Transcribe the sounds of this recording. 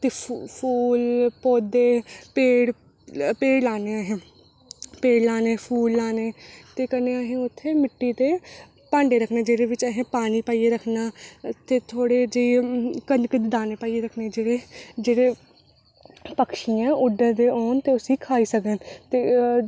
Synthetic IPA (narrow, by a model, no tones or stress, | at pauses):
t̪eːpʰuːlpoːd̪eːpeːɽ | peːɽlaːneːəɦẽː | peːɽlaːneːpʰuːlːaːneːt̪eːkəneːaːɦẽːʊt̪ʰːeːmɪʈːiːt̪eː | pãːɳɖeːɾəkʰneːd͡ʒeːɽeːʋɪt͡ʃəɦẽːpaːniːpaːieːɾəkʰnaːt̪eːt̪ʰoːɽeːd͡ʒeikənkət̪d̪aːneːpaːieːɾəkʰneːd͡ʒeːɽeːd͡ʒeːɽeː | pəkʃijãːʊɖəɾd̪eːɔːnt̪eːʊsiːkʰaːiːsəɡənt̪eː